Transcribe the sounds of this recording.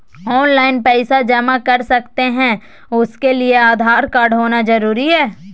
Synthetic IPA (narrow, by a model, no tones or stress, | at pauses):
ɔːnlaːɪnpɛːsad͡ʒɐmãkɐɾsɐkt̪eɦɛ̃ | ʊskelieaːd̪ʱaːɾkaːɾɖɦoːnazɐɾuːɾiɦɛː